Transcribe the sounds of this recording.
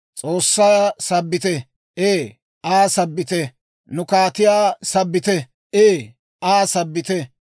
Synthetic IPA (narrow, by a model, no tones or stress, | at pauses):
t͡sʼoːsːaːsɐbːɪt̪ɛ | ʔeː | ʔaːsɐbːɪt̪ɛ | nʊkaːt̪ɪjaːsɐbːɪt̪ɛ | ʔeː | ʔaːsɐbːɪt̪ɛ